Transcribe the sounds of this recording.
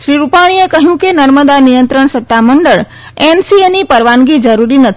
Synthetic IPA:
ʃɾiɾupaɽ̃iekəɦjũkenəɾməd̪anijənt̪ɾəɳsət̪ːaməɳɖəɭ | ensienipəɾʋanɡid͡ʒəɾuɾinət̪ʰ

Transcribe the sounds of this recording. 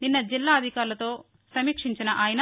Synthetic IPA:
ninːɐd͡ʒilːaːɐd̪ʱikaːɾlɐt̪o̞ː | sɐmiːkʂiɲt͡ʃinɐʔaːjɐnɐ

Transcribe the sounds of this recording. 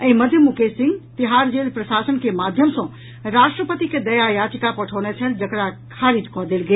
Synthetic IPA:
əĩməd̪ʱjəmukesĩŋɡt̪iɦaɾd͡ʒelpɾəsasənkemad̪ʱjəmsə̃ | ɾasʈɾəpət̪iked̪əjajad͡ʒikapəʈʰənet͡ʃʰəld͡ʒəkɾakʰaɾid͡ʒkɔd̪elɡel

